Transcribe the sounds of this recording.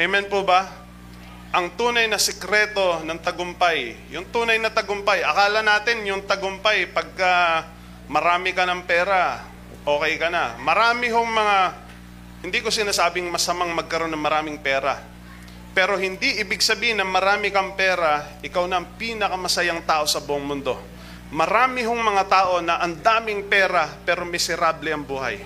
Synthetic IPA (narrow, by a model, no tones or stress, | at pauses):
ʔɛmɛnpobɐ | ʔɐŋt̪uːnɐjnɐsɛkɾɛːt̪o̞nɐŋt̪ɐɡʊmpajjʊŋt̪uːnɐjnɐt̪ɐɡʊmpajʔɐkaːlɐnaːt̪ɪnjʊŋt̪ɐɡʊmpajpɐɡ̚ka | mɐɾaːmɪkɐnɐŋpɛːɾɐ | ʔoːkɐjkɐnɐmɐɾaːmɪɦoŋmɐŋa | hɪnd̪ikosɪnaːsaːbɪŋmɐsɐmaŋmɐɡ̚kɐɾo̞nːɐŋmɐɾaːmɪŋpɛːɾɐ̰ | pɛːɾo̞hɪnd̪iʔɪbɪɡ̚sɐbiːhɪnːɐŋmɐɾaːmɪkɐŋpɛːɾɐʔɪkawnɐːŋpiːnɐkɐmɐsɐjaŋt̪aːʔo̞sɐbʊʔoŋmʊnd̪o̞̰ | mɐɾaːmɪɦoŋmɐŋat̪aːʔo̞nɐʔɐnd̪aːmɪŋpɛːɾɐpɛːɾo̞mɪsɛɾaːblɛʔɐŋbuːɦɐ̰j